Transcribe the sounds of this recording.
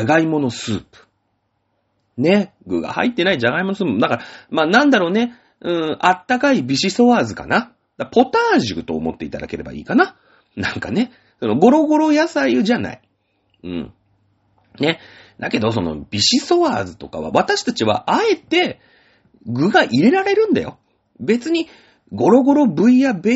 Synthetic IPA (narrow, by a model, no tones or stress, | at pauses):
aɡaimo̞no̞sɨːpɯ̟̥ | ne̞ɡɯ̟ɡa̰ha̰it̪ːe̞naid͡ʑaɡaimonosɨːpɯd̪akaɾamaːnãnd̪aɾo̞ːne̞ | ɯ̟̃ɴat̪ːakaibʲiɕiso̞βaːzɨka̰na | d̪̥apo̞t̪aːʑikɯ̟t̪oːmo̞t̪ːe̞it̪ad̪a̰ke̞ɾe̞ba̰ḭːkana | nãŋka̰ne̞ | so̞no̞ɡo̞ɾo̞ɡo̞ɾo̞jasaiɯʑana̰i | ɯ̟̰̃ː | ne̞ | d̪ake̞d̪o̞s̬o̞no̞̰b̥ʲiɕiso̞βaːzɨt̪o̞ka̰βa̰βat̪aɕi̥t̪at͡ɕiβa̰ʔae̞t̪e̞ | ɡɯ̟ɡaʔiɾe̞ɾaɾe̞ɾɯ̟̃nd̪a̰jo̞̰ | be̞t͡sɨɲ̟i | ɡo̞ɾo̞ɡo̞ɾo̞bɯ̟ijabe